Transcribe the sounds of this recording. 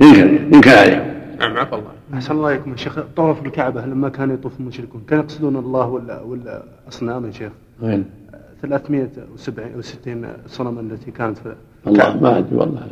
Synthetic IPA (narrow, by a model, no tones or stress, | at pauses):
jɪmkɪɾjɪmkɪnʕalḛːkʊmʔamʕakɑlˤːɑ̰ʔaħsanlːɑʔleːkʊmjaʃeːxt̪ˤːɑwˤɑfɪlkaʕbalamːakaːnjt̪ˤuːfɪlmʊʃɾɪkuːnkaːnjɑqsˤɨd̪uːnɑlˤːɑːhwwɪl | ʔɑsˤnaːmʃeːx | eθalaːθmɪʔawsabʕiʔwsɪ̥t̪ːiːnsˤɑnamalːat̪ikaːnat̪fi | ʔɑlːˤɑ̰maʕad̪ḭwɑ̰lˤːɑ